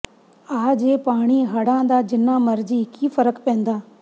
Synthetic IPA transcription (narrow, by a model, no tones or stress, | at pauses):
aːd͡ʑeːpaːɽ̃iɦɐɽãːn̆d̪aːd͡ʑɪnãːmɐɾd͡ʑikiːfəɾəkpẽːnd̪aː